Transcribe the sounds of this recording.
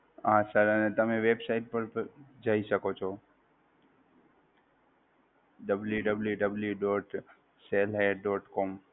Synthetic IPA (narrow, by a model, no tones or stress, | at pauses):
ãsəɾənet̪əmeʋebsaiʈ̚pəɾd͡ʒaiʃəkot͡ʃʰɔ | ɖəbljuɖəbljuɖəbljuɖɔʈ | selɦeɖɔʈkɔm